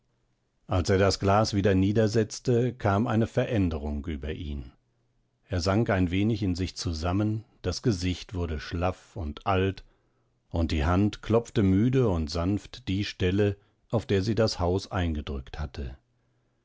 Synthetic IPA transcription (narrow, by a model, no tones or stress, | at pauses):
ʔalseːɐdasɡ̥laːsv̥iːdɐniːdɐzɛt͡stəkʰaːmʔa̰ɪnəfɛɐʔɛndəʁʊŋʔyːbɐʔḭːn | ʔeːɐzaŋkaɪnveːnɪçɪnzɪçt͡suzamənd̥asɡ̥əzɪçtv̥ʊɐdəʃlafʊntʔalt | ʔʊnt̚d̥iːɦantkʰl̥ɔp͡ftəmyːdəʊntz̥anftd̥iːʃtɛlə | ʔaʊfd̥eːɐziːdashaʊsʔaɪnɡədʁʏkthatʰə